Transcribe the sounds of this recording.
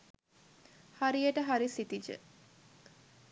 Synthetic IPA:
haɾijəʈəɦaɾisit̪id͡ʒə̰

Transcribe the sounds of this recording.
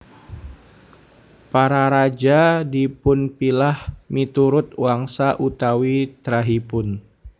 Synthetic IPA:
paɾaɾad͡ʒadipʊnpilahmit̪uɾʊt̪̚waŋsaʔut̪awit̪ɾaɦipʊn

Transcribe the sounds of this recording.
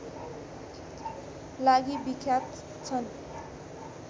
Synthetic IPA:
laɡibikʰjat̪ | t͡sʰʌn

